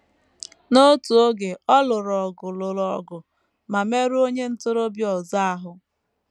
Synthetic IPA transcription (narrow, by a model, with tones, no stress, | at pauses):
no˦tu˨o˦ɡe˨ɔ˦lʊ˨ɾɔ˨ɡʊ˨lʊ˨ɾɔ˨ɡʊ˨ | ma˨me˦ɾu˦o˦ɲe˦n̩˦tʊ˦ɾo˦bjɔ˨za˦a˦ɦʊ˨